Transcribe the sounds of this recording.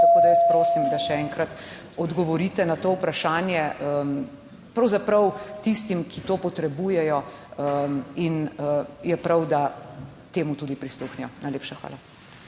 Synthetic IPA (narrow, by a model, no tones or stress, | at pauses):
t̪ɐkoːd̪ajɐspɾoːsimd̪aʃɛɛŋkɾat̪ | ɔd̪ɡɔʋɔɾit̪ɛnat̪oːwpɾaʃaːnjɛə | pɾɐwzapɾɐwt̪ist̪imkʰit̪oːpɔt̪ɾɛbuːjɛjɔ | inəjɛpɾɐwd̪a | t̪eːmut̪uːd̪ipɾisluxnijɔnajleːpʃaxʋa̰ːla